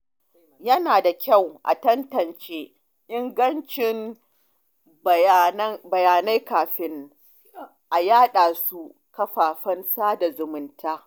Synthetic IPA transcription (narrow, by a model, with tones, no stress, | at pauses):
jɐ˦naː˨da˨kʲɐ˦˨wʔa̰˨tɐ˦ntɐ˨nt͡ʃeː˦ | ʔɪ˦ŋɡɐ˦nt͡ʃɪ˨n˨˦ | bɐ˨jaː˨na˦jkaː˨ɸɪ˦n | ʔa˨jaː˦ɗaː˨su˦ | kɐ˦ɸaː˨ɸɐ˦nsaː˦da˨zʊ˨mʊ˨ntʰaː˦